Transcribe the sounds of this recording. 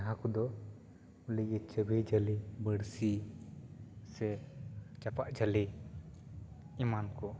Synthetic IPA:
ɦãkɔd̪ɔ | uliɡit̪̚t͡ʃəbʱid͡ʒəlibəɽsi | sɛt͡ʃapaʔd͡ʒəli | imankɔ

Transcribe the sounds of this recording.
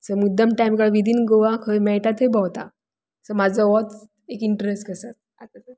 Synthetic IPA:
səmud̪ʱːamʈajmkaɭʋid̪ʱiːnɡoʋakʰəjmɛɭʈat̪ɦebʱawt̪a | səmad͡zʱəʋɔt̪ | ekiɳʈɾesʈkəsat̪̚ | a

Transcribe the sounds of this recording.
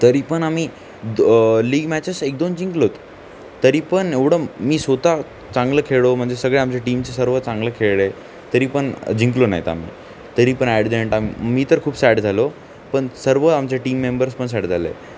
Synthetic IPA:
t̪əɾiːpəɳamiː | liːɡmæt͡ɕesek̚d̪ond͡ʑiŋklot̪ | t̪ːəɾiːpəɳeʋɽəmiːsʋot̪a | t͡sãŋɡləkʰeɭom̤əɳd͡zesəɡɭeamt͡ɕeʈiːmt͡ɕesəɾʋət͡sãŋɡləkʰeɭe | t̪əɾiːpəɳd͡ʑiŋklona̰ɦit̪a̰m̤ḭː | t̪əɾiːpəɳæɽd̪eɳʈamḭmiːt̪əɾkʰuːbsæʈd͡zʱalo | pəɳsəɾʋəamt͡ɕaʈiːmːembəɾspəɳs̬ɛʈd͡zʱalḛ

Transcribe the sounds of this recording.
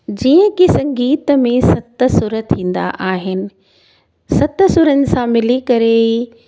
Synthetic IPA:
d͡ʑiːə̃kisɐ̃ŋɡiːt̪əmẽsɐt̪ə̆sʊɾət̪ʰĩːn̆d̪a̰ʔaːɦɪnɪ̆ | sɐt̪əsʊɾənɪ̆sãmɪlikɐɾe

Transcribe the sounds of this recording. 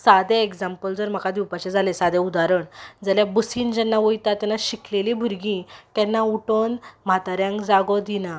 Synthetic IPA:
sad̪eeɡd͡zampəld͡zəɾm̤akad̪iwpat͡ɕed͡zʱalesad̪ɛud̪aɾəɳd͡zəljabəsiːnd͡ʑɛnːaʋojt̪at̪ːɛnːaɕiklelĩbʱuɾɡĩt̪ɛnːauʈonm̤at̪aɾjãŋkd͡zaɡɔd̪ina

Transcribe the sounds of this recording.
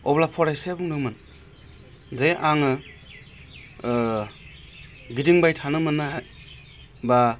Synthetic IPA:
ɔblapʰɔɾajsajabuŋnɯmɯn | zajʔaŋɯ | ɡidiŋbajtʰanɯmɯnːaɦaj | ba

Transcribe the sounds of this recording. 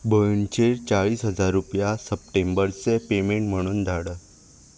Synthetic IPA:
bəjuɳt͡ɕeɾt͡saɭiːsɦəd͡zaɾːupjasəp̚ʈembəɾt͡sepemẽɳʈm̤əɽ̃uːnd̪ʱaɽəː

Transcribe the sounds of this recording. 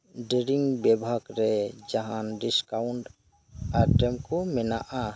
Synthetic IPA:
ɖiɾiŋbɛbʱaɡɾɛd͡ʒaɦanɖiskauɳʈ | aɾʈɛmkɔmɛnaʔa

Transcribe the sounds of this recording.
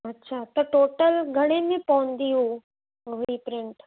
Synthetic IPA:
ɐtːɕʰaːt̪ɐʈoːʈəlɡʱɐɽ̃emẽpɔʊ̃nd̪iɦũ | oipɾɪ̃ɳʈ

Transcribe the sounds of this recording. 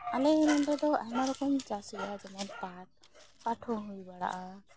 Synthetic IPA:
alɛɛnɔnd̪ɔd̪ɔʔa̰ɦnaɾɔkɔmd͡ʒasiad͡ʒɛmɛnpa | paʈʰɔɦujbaɽa̰ʔa

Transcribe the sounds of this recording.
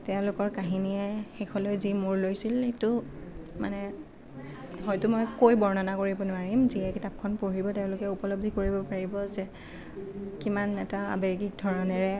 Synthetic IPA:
tɛʊ̃lʊkɔɹkaɦiniɛxekʰɔlojzimuɹlojsiletʊma̰nɛ | ɦɔjtʊmojkojbɔɹnɔnakoɹibɔnʊaɹimziɛkitap̚kʰɔnpoɹibɔteʊ̃lʊkɛupɔlob̚dʱikoɹibɔpaɹibɔzɛ | kimanɛtaa̰beɹɡik̚dʱɔɹɔnɛɹɛ

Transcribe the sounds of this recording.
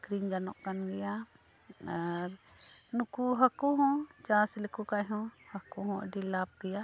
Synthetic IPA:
kɾiŋd͡ʒanɔʔkanɡɛja | aɾ | nukuɦakuɦɔ̃t͡ʃaslɛkukaɦɔ̃hakuɦɔ̃a̰ɖilap̚ɡɛja

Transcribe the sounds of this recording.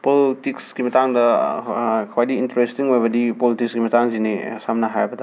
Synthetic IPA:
politiksɡimɐtaŋdɐ | kʰwajtiːntɐɾestiŋojbɐdipolitiksɡimɐtaŋzinisamnɐɦa̰jbɐda

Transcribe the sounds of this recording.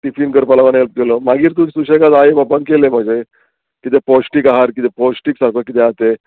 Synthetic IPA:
ʈifinkəɾpalaʋanelp̚kelɔmaɡiːɾt̪usuɕekat̪ajebabaŋkelemb̤ʱad͡ʑe | kit̪epɔsʈiːkaɦaɾkit̪epɔsʈiːksakəkit̪eat̪e

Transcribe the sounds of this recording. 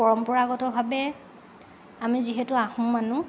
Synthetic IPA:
ɔɹɔmpɔɹaːɡɔtɔbʱabɛ | amiziɦetʊaxumːanʊ

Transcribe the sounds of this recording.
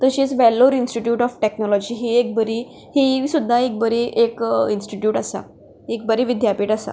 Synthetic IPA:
t̪əɕit͡sʋɛlːoɾinsʈiʈjuːʈɔfʈeknɔlɔd͡ʑiɦiek̚bəɾiː | hisud̪ʱːaek̚bəɾiʔekinsʈiʈjuːʈasa̰ | ek̚bəɾiʋid̪ʱjapiːʈasa̰

